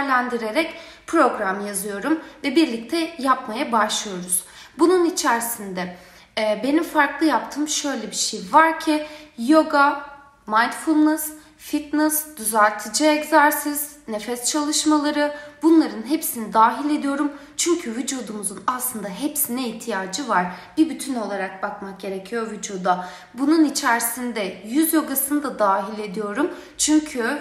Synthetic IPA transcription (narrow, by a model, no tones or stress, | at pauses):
ɾlʲænd̪iɾe̞ɾɛc | pʰɾo̞ɡɾamjazɯjo̞ɾumvɛbiɾlʲic̚t̪ʰɛjapmajabaʃlˠɯjo̞ɾuz̥bununit͡ʃʰæɾsind̪ɛ | be̞nimfaɾklˠɯjapt̪ʰɯːmʃø̞jlʲɛbiʃejvaɾcʰijo̞ɡa | majnt̪fulˠnɛs | fit̪nɛsd̪̥yzæɾʲt̪ʰɯd͡ʒiɛczæɾsiz̥ | nefɛst͡ʃʰalˠɯʃmalˠaɾɯbunlˠaɾɯnɦepsinid̪aːɦilʲe̞d̪ijo̞ɾumt͡ʃʰyɲcʰyvid͡ʒud̪umuzunaslˠɯnd̪aɦepsinɛiht̪ʰijaːd͡ʒɯvaɾ̥b̥ibyt̪ʰyno̞lˠaɾak̚bakmak̚ɟe̞ɾecʰijo̞ɾvid͡ʒud̪a | bununit͡ʃʰæɾsind̪ɛjyzjo̞ɡasɯnɯd̪ad̪aːɦilʲe̞d̪ijo̞ɾumt͡ʃʰyɲcʰy